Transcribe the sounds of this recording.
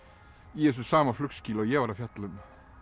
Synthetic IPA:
jɛːs̬ʏsaːmaflʏksciːlɔjɛʋaɾafjat̪lʏm

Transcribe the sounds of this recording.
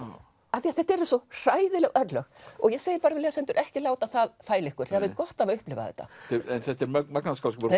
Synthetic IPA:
aθiaθɛht̪ɛɾɪsɔr̥aːjðɪlɛɣʔœt̪lœɣɔɣjɛseːjɪɾpaːɾɪlɛɣasɛnt̪ʏɾʔɛhcɪlaːwt̪aθaðfaːjlɪhkʏɾ̥θɛhavɪðkɔht̪avaʏhplɪva̰ðɛ̰ht̪ːa̰ɛɛnθɛht̪ɛɾmmaknaskalsk

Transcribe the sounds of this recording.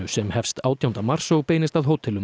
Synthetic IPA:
ʏsɛmhɛfst̪aːwt̪ʰjawnt̪amar̥soɣpeːjnɪst̪aðɦoːwt̪ʰɛlʏ

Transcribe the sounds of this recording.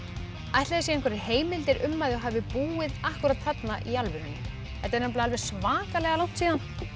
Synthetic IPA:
ajht̪laðasɛɛnŋkvɛɾɪheːjmɪlt̪ɪɾʔʏmːajðɪɔɦaːvɪpuːɪðahkuɾat̪θatnaʔialvɪɾʏnːʏ̰ | hɛt̪ɛɾnaplaalvɛɾ̥smaːkalɛɣalaw̥t̪siːðan

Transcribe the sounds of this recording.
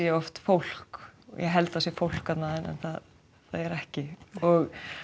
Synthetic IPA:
ɛɔft̪fowl̥kɔ̰jɛ̰ɦɛlt̪asjɛfowl̥kat̪naːðɪnɛ̰nθað | θaðɛɾɛhcɪɔɣ

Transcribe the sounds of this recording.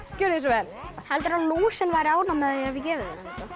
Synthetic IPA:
cʏɾɪsɔvɛnɪhɛlt̪ʏɾaluːsɛnvajɾɪaːwnamɛðɛavɪcɛːvɪðka

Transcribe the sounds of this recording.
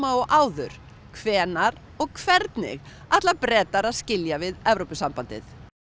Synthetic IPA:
maɔɣʔaːwðʏɾ̥ | kʰvɛːnaɾ | ɔɣkʰvɛɾt̪nɪ̰ɣ | aht̪lapɾɛːt̪aɾaðscɪljavɪðɛvɾowpɪsampant̪ɪ̰θ

